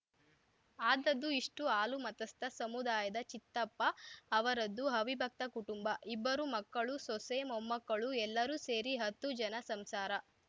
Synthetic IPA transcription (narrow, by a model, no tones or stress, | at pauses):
aːd̪ɐd̪ːuiʂʈuaːlumɐt̪ɐst̪ɐsɐmud̪aːjɐd̪ɐt͡ʃit̪ːɐpːɐːʋɐɾɐd̪ːuɦɐʋibʱɐk̚t̪ɐkuʈumbɐʔibːɐɾumɐkːɐɭusɔsemɔmːɐkːɐɭuɛlːɐɾuse̞ːɾiɦɐt̪ːud͡ʒɐnɐsɐmsaːɾɐ